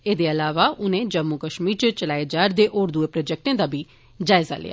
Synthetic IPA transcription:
eːd̪eːəlaːʋaːʔʊnẽːd͡ʒəmːuːkəʃmiːɾt͡ʃt͡ʃəlaːed͡ʒaːɾd̪eːʔoːɾd̪ʊeːpɾoːd͡ʒɛːk̚ʈẽːd̪aːbiː | d͡ʒaːɪza̰ːlḛːa̰ː

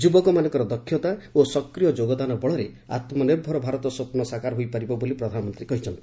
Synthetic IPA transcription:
d͡ʒubɔkɔmanɔ̃ŋkɔɾɔd̪ɔkʰːjɔt̪aosɔkɾijɔd͡ʒoɡɔd̪anɔbɔɭɔɾe | a̰t̪mɔneɾbʱɔɾɔbʱaɾɔt̪ɔsopnɔsakaɾɦojpaɾibɔbolipɾɔd̪ʱanɔmɔnt̪ɾikɔɦit͡ʃʰɔnt̪i̥

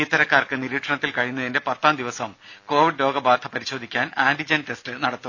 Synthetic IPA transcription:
it̪ːɐɾɐkːaːrkɨniɾiːʈʂɐɳɐt̪ːilkɐɻijunːɐðende̞pɐt̪ːaːmd̪iʋɐsɐmko̞ːʋiɖlo̞ːɡɐbaːd̪ʰʱɐpɐɾiɕo̞ːd̪ʱikʲːaːnaːndid͡ʑɐnʈe̞stɨnɐɽɐt̪ːu

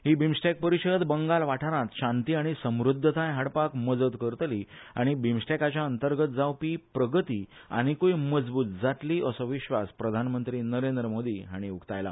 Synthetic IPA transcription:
ɦiːbʱimsʈek̚pəɾiɕəd̪bəŋɡalʋaʈʰaɾãt̪ɕãnt̪iːaɽ̃isə̃mɾud̪ʱːət̪ãjɦaɽpakməd͡zət̪kəɾt̪liːaɽ̃ibimsʈakat͡ɕjaənt̪əɾɡət̪̚d͡zawpiːpɾəɡət̪iː | a̰ɽ̃ikoiməd͡zbuːt̪̚d͡zaʈliːʔəsəʋiɕʋaspɾəd̪ʱanmənt̪ɾiːnəɾend̪ɾəmod̪iːɦaɽ̃iukt̪ajla̰

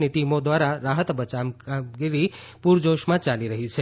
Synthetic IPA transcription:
niʈimod̪ʋaɾaɾaɦət̪bət͡ʃamɡiɾi | puɾd͡ʒoʃmãt͡ʃaliɾəɦit͡ʃʰe

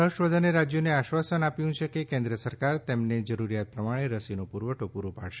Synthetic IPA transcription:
əɦəʃʋəd̪ʱəneɾad͡ʒjoneaʃʋasənapjũt͡ʃʰekekẽnd̪ɾiəsəɾkaɾt̪emned͡ʒəɾuɾijat̪̚pɾəmaɽ̃eɾəsinopuɾʋəʈopuɾʋəpa̰ɽʃe̥

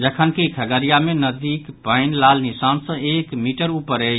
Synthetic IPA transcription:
d͡ʒəkʰənkekʰəɡəɾijamenəd̪ikpəɪnlalnisansə̃ekmiʈəɾupəɾə

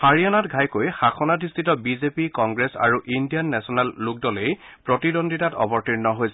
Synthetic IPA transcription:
haɹijanatɡʱajkojxaxʰɔnatistʰitɔbizepikɔŋɡɹesa̰ɹuʔindijanːɛsɔnɛlːuk̚dɔlejpɹɔtidondʱitatɔ̰bɔɹtiɹnɔɦojsɛ

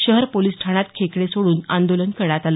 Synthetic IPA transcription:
ɕəɦəɾpolisʈʰaɳ̃at̪kʰekɽesoɽuːnand̪olənkəɽat̪alə

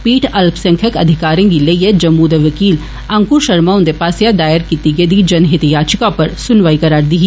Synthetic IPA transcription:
piːʈʰɐlpsɐ̃ŋkʰəkɐ̰d̪ʱɪkaːɾẽkilejed͡ʒɐmːuːd̪əʋɐkiːl | ɐ̃ŋkuɾʃɐɾmaʊ̃nd̪epaːsjad̪aːjəɾkit̪iɡed̪id͡ʒɐnɦɪt̪jaːt͡ʃɪkãpɐɾsʊnʋaːikɐɾaːɾd̪iɦi

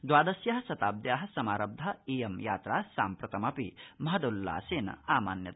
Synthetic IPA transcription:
d̪waːd̪ɐsjɐɦɐsɐt̪aːb̚d̪jaːɦɐ̆sɐmaːɾɐb̚d̪ʱɐeːjɐmjaːt̪ɾaːsaːmpɾɐt̪ɐmɐpimɐɦɐd̪olːa̰ːseːnɐ̰aːmaːnjɐt̪

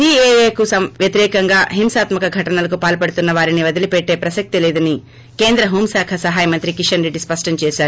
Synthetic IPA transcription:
siːeːeːkusɐʋjɐt̪iɾɛːkɐŋɡaːɦimsaːt̪mɐkɐɡʱɐʈɐnɐlɐk̬upaːlpɐɽut̪unːɐʋaːɾiniʋɐd̪ilipeʈːe̞ːpɾɐsɐk̚t̪ilɛːd̪ɐni | ke̞ːnd̪ɾɐɦuːmsaːkʰɐsɐɦaːjɐmɐnt̪ɾikiʂɐnɾeɖːispɐʂʈɐɲt͡ʃɛːʃaːɾu

